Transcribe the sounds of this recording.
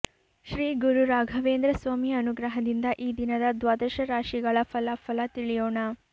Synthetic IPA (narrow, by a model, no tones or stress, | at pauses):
ʃɾiːɡuɾuɾaːɡʱɐʋeːnd̪ɾɐsʋaːmiɐnuɡɾɐɦɐd̪ind̪ɐʔiːd̪inɐd̪ɐd̪ʋaːd̪ɐʃɐɾaːʃiɡɐɭɐfʰɐlɐfʰɐlɐt̪iɭijoːɳɐ